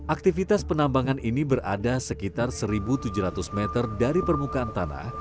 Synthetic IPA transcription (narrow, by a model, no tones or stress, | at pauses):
ʔak̚t̪ifit̪aspənambaŋanʔinibərʔa̰dasəkit̪arsəɾibut̪ud͡ʒuɾat̪usmɛt̪ərdaɾipərmukaːnt̪ana̰h